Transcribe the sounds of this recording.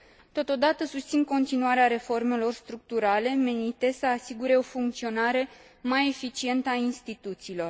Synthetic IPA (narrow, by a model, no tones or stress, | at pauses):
t̪o̞t̪o̞d̪at̪əsust̪sinko̞nt̪inuaɾeaɾe̞fo̞rme̞lo̞rst̪ɾuk̚t̪uɾale̞me̞nit̪e̞səasiɡuɾe̞o̞fuŋk̚t̪sio̞naɾe̞ | maje̞fit͡ʃie̞nt̪əainst̪it̪ut̪siːlo̞r